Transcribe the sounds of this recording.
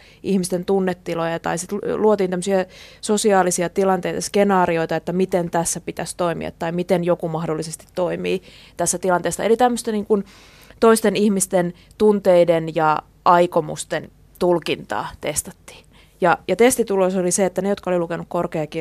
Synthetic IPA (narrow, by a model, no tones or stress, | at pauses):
ʔihmist̪ent̪unːet̪ːilojɑt̪ɑ̰isit̪luot̪iːnt̪æmːøsiɑsosiɑːlisiɑt̪ilɑnt̪eit̪ɑske̞nɑːrio̞it̪ɑet̪ːæmit̪ent̪æsːæpit̪æst̪oimḭɑ̰t̪ːɑimit̪enjokumɑhdolːisest̪i̥t̪toimḭː | t̪æsːæt̪ilɑnt̪eːsːɑ̰elit̪æmːøst̪eniːŋkun | t̪oist̪enihmist̪en | t̪unt̪eidenjɑ | ʔɑikomṵst̪en | t̪ulkint̪ɑ̰ːt̪est̪ɑ̥t̪ːi̥ː | jɑjɑt̪est̪it̪ulosoliseet̪ːænejot̪kɑolilukenukkorkeɑki